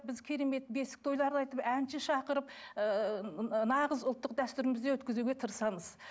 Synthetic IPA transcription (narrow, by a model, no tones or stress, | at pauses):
bɪzkʲʰe̞ɾe̞me̞t̪besɪkt̪ʰojlˠɑɾd̪ɑjt̪əpænʃɪʃɑqəɾəp | nɑʁəzʊlˠt̪ːəq̚d̪æst̪ʏɾɪmɪzd̪ewɵt̪kʲɪzuɡʲet̪ʰəɾəsɑməz̥